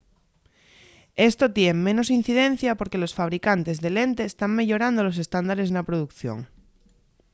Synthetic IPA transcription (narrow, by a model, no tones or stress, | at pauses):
e̞st̪ot̪jeŋmẽ̞no̞sin̟θiðẽn̟θjapo̞ɾke̞lo̞sfaβ̞ɾikant̪e̞zðe̞le̞nt̪eːst̪aŋme̞ʎo̞ɾand̪olo̞se̞st̪and̪aɾe̞znapɾoðukθjo̰ŋ